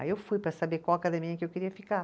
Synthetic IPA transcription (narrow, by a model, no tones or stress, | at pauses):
ewfujpɾɐsabekwawakad̪ẽmĩɲɐkɪewkeɾiɐfika